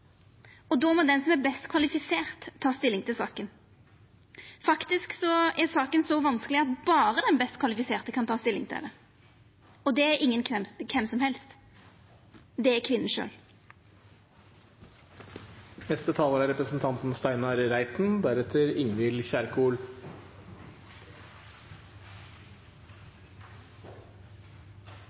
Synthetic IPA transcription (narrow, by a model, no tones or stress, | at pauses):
ɔd̪oːmɔd̪ɛnsɔmæbɛst̪kʰʋɑlɪfɪseːʁt̪ʰːɑːst̪ɪlːɪŋt̪ʰɪlsɑːkən | fɑkt̪ɪsksɔɛɾsɑːkənsɔʋɑnskəlɪɑt̪bɑːɾəd̪ɛnbɛst̪kʰʋɑlɪfɪseːʁt̪əkʰɑnt̪ʰɑːst̪ɪlːɪ̰ŋt̪ʰɪ̰d̪ɛ | ɔd̪ɛæɾʔɪŋːənkʰɛmkʰɛmsɔmhɛlst̪ | d̪ɛækʰʋɪnən̩ʃø̰ːl | nɛst̪ət̪ʰɑːləɾɑɾɛpɾəsn̩t̪ʰɑnt̪n̩st̪æɪnɑɾɾæɪt̪n̩d̪æɾɛt̪ʰəɾɪŋʋɪlçæɾkuːl